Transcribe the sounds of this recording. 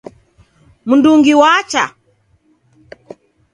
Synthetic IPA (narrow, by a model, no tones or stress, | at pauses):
munduŋɡiwat͡ʃa̰